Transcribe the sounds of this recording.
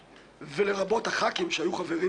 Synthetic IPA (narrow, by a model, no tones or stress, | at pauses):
ve̞le̞ʁabo̞thaχakimʃeajuχave̞ʁi